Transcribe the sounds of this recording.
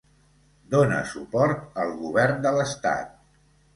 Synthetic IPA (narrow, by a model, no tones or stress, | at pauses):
d̪onə̰supɔɾt̪əlˠɣuβ̞ɛɾnd̪ələst̪a̰t̪̚